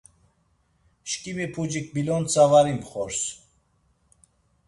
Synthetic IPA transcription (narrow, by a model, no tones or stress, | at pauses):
ʃkʼimipʰud͡ʒik̚bilɔnt͡sʰavaɾimpχɔɾs